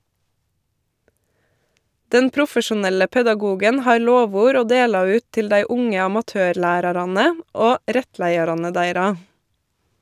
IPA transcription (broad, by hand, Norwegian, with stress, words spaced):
ˈdɛn ˈpɾʊfəʃʊˌnɛlə pɛdɑˈɡuːɡən ˈhɑːɾ ˈloːˌʋuːɾ ˈoː ˈdeːlɑ ˈʉːt ˈtɪl ˈdæɪ ˈʊŋə ɑmɑˈtøːɾˌɭæːɾɑɾɑnə ˈoː ˈɾɛtˌlæɪɑɾɑnə ˈdæɪɾɑ